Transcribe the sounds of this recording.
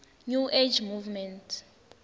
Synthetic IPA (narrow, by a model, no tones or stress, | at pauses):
nuʔed͡ʒmuvmɛntʰ